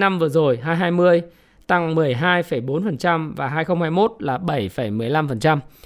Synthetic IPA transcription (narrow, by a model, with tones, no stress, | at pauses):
na˧mvɨ˨˩əzo˨˩jɦaː˧jɦaː˧jmɨ˧əj | t̪a˧ŋmɨ˨˩əjɦaː˧jfə˧˩jɓo˨˦nfə˨˩nt͡ɕa˧mvaː˨˩ɦaː˧jxə˧wŋ͡mhaː˧jmo˦˥t̚laː˨˩ɓə˧˩jfə˧˩jmɨ˨˩əjla˧mfə˨˩nt͡ɕa˧m